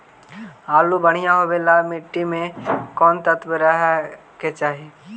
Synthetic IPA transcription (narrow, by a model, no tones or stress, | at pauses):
aːlubəɽ̤̃ijaɦoʋelamɪʈːimẽkɔːnt̪ət̪bəɾaɦ | ket͡ʃaːɦi